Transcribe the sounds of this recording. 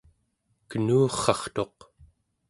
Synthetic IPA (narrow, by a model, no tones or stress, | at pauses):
kənuːχːɑχt̪o̞q